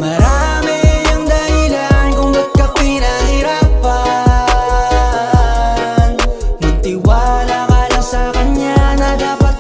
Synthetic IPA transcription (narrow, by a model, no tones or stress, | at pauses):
mɐɾamɪɐŋd̪ɐhɪlankʊŋnɐd̚kɐpɪnɐhɪɾapɐ | nnɐɡ̚t̪ɪwalakalasɐkɐɲɲanɐd̪aːpɐt̪̚